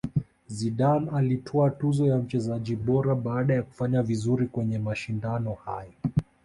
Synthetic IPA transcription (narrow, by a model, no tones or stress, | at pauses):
ziɗanalitʰɔatuzɔjam̩t͡ʃɛzaʄiɓɔɾaɓaːɗajaku̥faɲavizuɾikwɛɲɛmaʃindanɔhaja